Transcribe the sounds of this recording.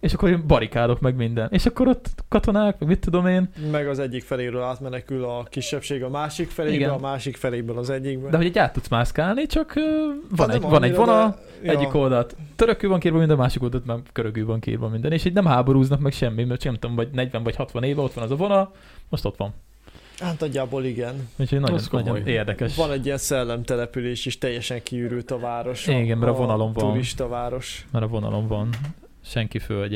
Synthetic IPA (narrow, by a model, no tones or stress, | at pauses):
eːʃɒkːoɾeːmbɒɾikaːlo̞kmɛɡmind̪ɛneːʃɒkːo̞ɾo̞t̪ːkɒt̪o̞naːkmɛɡmit̪ːud̪o̞meːnmɛɡɒzɛɟːikfɛleːɾøːlaːt̪mɛnɛkylɒkiʃːɛpʃeːɡɒmaːʃikfɛleːiɡɛnmaːʃikfɛleːbølɒzɛɟːiɡbd̪ɛɦo̞ɟɛɟaːt̪ːut̪smaːskaːlnit͡ʃɒkøːvɒnɛɟvɒnɛɟvo̞nɒl | ɛɟːiko̞ld̪ɒt̪ːøɾøkːøːvɒŋkiːɾvɒmind̪ɛnmaːʃikold̪ɒlt̪maːrɡ̥øɾøɡyːvɒŋkḭːrvɒmind̪ɛneːʃiːɟnɛmɦaːbo̞ɾuːznɒkmɛkʃɛmːimɛt̪t͡ʃknɛmt̪omvɒɟnɛɟʋɛɱvɒchɒt̪ʋɒneːvɛo̞t̪ʋɒnɛzɒvo̞nɒl | moʃt̪o̞t̪ʋɒn | aːt̪nɒɟːaːboːliɡɛnucʰhoɟnɒɟonnɒojeːrd̪ɛkɛʃvɒnɛɟːijɛnsɛlːɛmt̪ɛlɛpyleːʃeʃt̪ɛjːɛʃɛŋkiyɾylt̪ɒvaːɾo̞ʃiɡɛnmɛɾɒvo̞nɒlo̞ɱvɒnɾiʃt̪ɒvaːɾo̞ʃmɛɾɒvo̞nɒ̰lo̞ɱvɒn | ʃɛŋkifølɟ